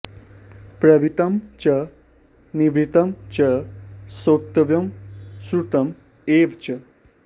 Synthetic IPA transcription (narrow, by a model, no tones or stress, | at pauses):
pɾɐbit̪ɐmt͡ʃɐ | niʋɾit̪ɐmt͡ʃɐsok̚t̪ɐʋjɐmsɾut̪ɐm | eːʋt͡ʃɐ